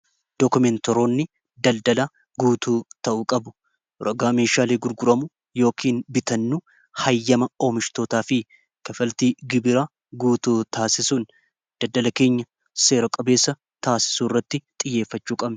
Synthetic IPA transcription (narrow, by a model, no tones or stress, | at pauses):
d̪̥okʊmɛnt̪ɔɾoːnːɪ | d̪ɐld̪ɐla | ɡuːt̪uːt̪ɐʔuːkʼɐbʊ̥ | ɾɐɡaːme̞ːʃaːleːɡʊɾɡʊɾɐmʊ | jo̞ːkʰiːnbɪt̪ɐnːuː | hɐjːɐmɐoːmɪʃt̪o̞ːt̪aːfɪ | kɐfɐlt̪iːɡɪbɪɾaː | ɡuːt̪uːt̪ʰaːsɪsun | d̪̥ɐld̪ɐlɐke̞ːɲːɐ | se̞ːɾɔkʼɐbe̞ːsːɐ | t̪aːsɪ̥suːrːɐt̪ːɪt̪ʼɪjːe̞ːfːɐt͡ʃːuːkʼɐbnɪ